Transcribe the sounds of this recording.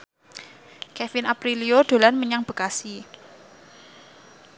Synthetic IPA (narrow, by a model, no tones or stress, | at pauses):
kɛfɪnapɾilioɖ̪̥o̤lanməɲaŋb̥ə̤kasi